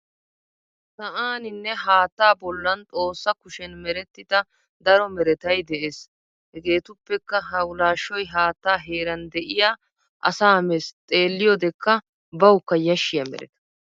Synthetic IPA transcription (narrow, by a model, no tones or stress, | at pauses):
sɐʔaːnɪnːɛɦaːt̪ːaːbɔlːɐnt̪ʼo̞ːsːɐkʊʃɛnmɛɾɛt̪ːɪd̪ɐ | d̪ɐɾɔmɛɾɛt̪ɐjd̪ɛʔeːs | hɛɡe̞ːt̪ʊpːɛkːɐɦɐwʊlaːʃːɔjɦaːt̪ːaːɦe̞ːɾɐnd̪ɛʔɪjaː | ʔɐ̰saːmɛst̪ʼe̞ːlːɪjɔd̪ɛkːɐ | bɐwkːɐjɐʃːɪjɐmɛ̰ɾɛ̰t̪ɐ̥